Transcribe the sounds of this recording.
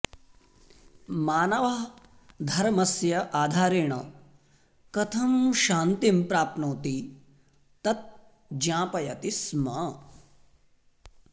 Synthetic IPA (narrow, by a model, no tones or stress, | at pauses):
maːnɐʋɐɦ | d̪ʱɐɾmɐsjɐʔaːd̪ʱaːɾeːɳɐ̰ | kɐt̪ʰɐmʃaːnt̪impɾaːp̪noːt̪i | t̪ɐt̪̚ | d͡ʒãːpɐjɐt̪ismɐ